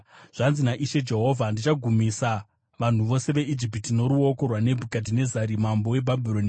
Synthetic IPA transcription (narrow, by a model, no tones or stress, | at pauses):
ʐ̥anzinaʔiʃe̞d͡ʒe̞ɦo̞vʱandit͡ʃaɡʱumisa | ʋan̤uʋo̞se̞ʋe̞id͡ʒip̬itino̞ɾuo̞ko̞rwane̞bʱukadʱine̞zaɾimambo̞we̞bʱabʱiɾoni